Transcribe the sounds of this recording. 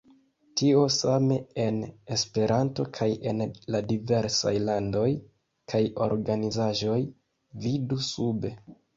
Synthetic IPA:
tio̞same̞enespe̞ɾanto̞kʰaje̞nladive̞ɾsa̰jlando̞j | kʰajo̞̰ɾɡanizaʒo̞j | vidusube̞

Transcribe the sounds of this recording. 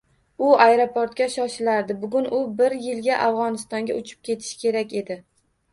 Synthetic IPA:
ʊajɾopoɾt̪̚kʲaʃɒʃɪlaɾd̪ɪbʊɡʊnʊbɪɾjɪlɡʲaʔavʁɒnɪst̪ɒŋɡʲaʔʊt͡ʃʰɪ̥p̚kʲe̞t̪ʰɪ̥ʃɪ̥kʲe̞ɾakʲe̞d̪ɪ

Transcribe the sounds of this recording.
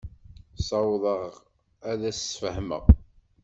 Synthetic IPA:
sˤɑwðˤəʁ | æðæsfəhmə̰ʁ

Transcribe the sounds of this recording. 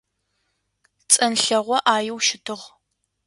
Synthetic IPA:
t͡sʼɐnɬɐʁʷɔʔaːjɪwʃɪtʰɨʁ

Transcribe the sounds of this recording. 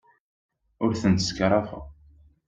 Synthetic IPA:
ʊɾθənt̪ə̥skɾˤɑfə̰

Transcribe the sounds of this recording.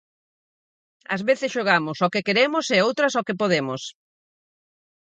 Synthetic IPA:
ɐ̰zβeθɪsʃoɣ̞amʊsokɪkeɾemʊseowt̪ɾɐsokɪpoðemos

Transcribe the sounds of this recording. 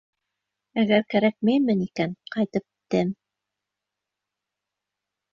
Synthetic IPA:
æɡæɾkæɾæk̚mæjmɘnikænqɑjt̪ɤp̚t̪ɘm

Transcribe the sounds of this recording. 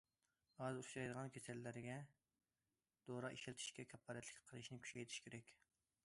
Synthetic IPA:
ɑzuʃɑjd̪əʁɑnkʲʰesɛlːæɾɡʲɛ | d̪̥oɾɑʔiʃlɪt̪ʰi̥ʃkʲɛkʲʰɛpʰːɑːɾɛt̪ʰlɪ̥kʲqʰəlˠɨʃnɪkʲʰy̥ʃʲɛjt̪ʰɪ̥ʃkʰʲeɾɛkʲ

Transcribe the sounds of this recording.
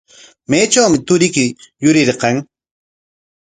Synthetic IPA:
majt͡ʃawmɪt̪ʊɾɪkɪjʊɾɪɾqɑŋ

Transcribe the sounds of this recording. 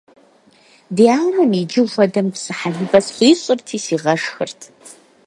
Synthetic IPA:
dijaːlɐnid͡ʒɨʒʷɔdɐmpsɨħanɨbɐsχʷiːɕʼɨrtʰiːsiːʁɐʂxɨrtʰ

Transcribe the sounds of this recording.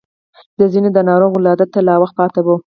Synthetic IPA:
d̪əzined̪ənɑɾoɣolɑd̪at̪ːalɑwaxt̪̚pɑt̪awo

